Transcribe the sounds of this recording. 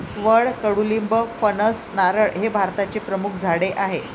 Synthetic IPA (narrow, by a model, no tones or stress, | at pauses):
ʋəɭkəɽulimbəfənəsnaɾəɭɦebʱaɾt̪at͡ɕepɾəmukʰd͡zʱaɽeʔaɦe